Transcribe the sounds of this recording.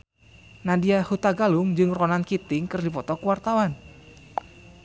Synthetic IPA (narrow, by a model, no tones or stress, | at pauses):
nadiahut̪aɡalʊŋd͡ʒɨŋrɔnankit̪ɪŋkɨrdipɔt̪ɔkuwart̪awan